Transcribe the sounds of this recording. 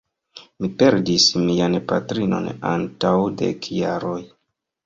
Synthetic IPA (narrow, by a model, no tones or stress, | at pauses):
mipe̞ɾdismianpa̰tɾino̞̰na̰ntawdḛkjaɾo̞j